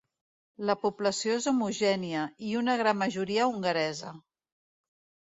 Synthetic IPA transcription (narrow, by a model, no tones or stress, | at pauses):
ləpupləsijoezumuʒɛniəiunəɣ̞ɾamːəʒuɾiəuŋɡəɾɛzə